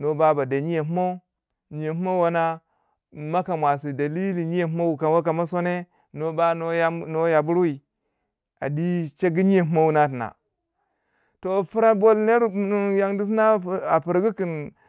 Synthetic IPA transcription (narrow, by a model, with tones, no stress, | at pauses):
no˦ba˦ba˨da˨ɲi˦je˨m˦ma˦u˦ | ɲi˨je˨mu˦ma˦wa˦na˦ | ma˦ka˨mʷa˨s̬i˨da˨li˦li˨ɲi˦je˨m˦ma˦wu˨ka˨wa˦ka˨ma˦so˦ne˦ | no˦ba˦no˦ja˨bu˦ɾwi˨ | a̰˨di˦t͡ʃe˦ɡi˦ɲi˦je˨m˦ma˦wu˦na˦t̬na̰˨ | to˨fu˦ɾa˦bo˦lne˦ɾn˦ja˨ŋdi˦s̬na˦˨a˨fi˨ɾɡi˦ki˨n